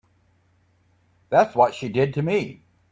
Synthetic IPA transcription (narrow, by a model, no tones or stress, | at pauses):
ðætswʌtʃidɪd̚tʰɨmi